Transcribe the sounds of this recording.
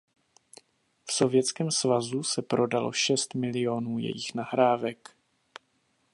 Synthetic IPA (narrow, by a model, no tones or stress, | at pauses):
fso̞vjɛt͡skɛːmsvazusɛpɾo̞dalo̞̰ʃɛst̪mɪlɪjo̞nuːjɛ̰jɪxnaɦɾaːvɛk